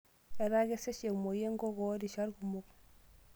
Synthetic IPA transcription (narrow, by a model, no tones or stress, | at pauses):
eɾaɡeseʃemojeŋɡoɡodiʃaɾɡumok